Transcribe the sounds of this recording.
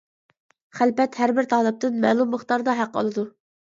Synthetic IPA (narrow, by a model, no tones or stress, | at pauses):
χælpɛt̪hæɾbɪɾt̪ʰɑːlˠɨp̚t̪ɨnmɛ̰ːlˠumːəχt̪ɑɾd̪ɑɦæqːo̰lˠɨd̪u